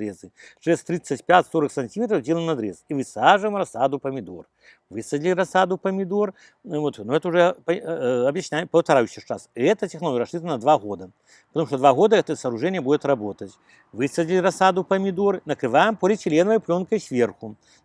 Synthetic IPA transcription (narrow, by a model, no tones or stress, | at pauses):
ɾɛzɨʂɛst̪ɾit̪sːɐtʲpʲatʲsoɾɐksɐnʲtʲimʲet̪ɾɐwdʲelˠəmnɐd̪ɾɛsivɨsaʐɨmrɐsad̪upɐmʲɪd̪or | vɨsɐdʲlʲiɾɐsad̪upɐmʲɪd̪or | vot̪nuɛt̪əuʐɛpɐɐbjɪsʲnʲajpɐwt̪ɐɾajuɕɛʂt͡ʂasɛt̪ɐtʲɪxnɐlˠojɐɾɐsʂɨt̪ənɐd̪vaɣod̪ɐ | pɐt̪ɐmuʂt̪ɔd̪vaɣod̪ɐɛt̪ɐsɐːɾuʐɛnʲɪjəbudʲɪt̪rabot̪ɐt͡sʲ | vɨsɐdʲlʲirɐsad̪upɐmʲɪd̪uɾnɐkɾɨvajɛmpolʲɪtʲɪlʲenvɐjplʲonkɐjsʲvʲerxu